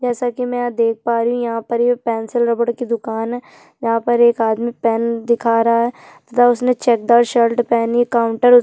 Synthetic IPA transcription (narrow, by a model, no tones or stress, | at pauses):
d͡ʒɛːsakimɛ̃d̪eːk̚ʰpaːɾiɦũjɐɦãpɐɾepɛːnsɪlɾɐbəɽkid̪ʊkaːnɦɛː | jɐɦãpɐɾeːkaːd̪mĩpɛːnd̪ɪkʰaːɾɦaɦɛː | t̪ɐt̪ʰaʊsnet͡ʃɛːk̚d̪aːʈʃəlʈpɛːniəkaːʊ̃ɳʈəɾʊ